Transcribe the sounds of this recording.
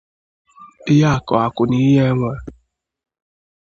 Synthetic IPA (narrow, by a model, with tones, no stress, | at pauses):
ɪ˦ja˦a˨kɔ˨a˨kʊ˨ni˦ɦe˦ŋʷa˨